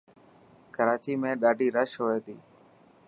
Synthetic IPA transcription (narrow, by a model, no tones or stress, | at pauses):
kəɾaːt͡ʃiːmẽːɗaːɖʱiːɾəʃɦoːeːt̪ḭː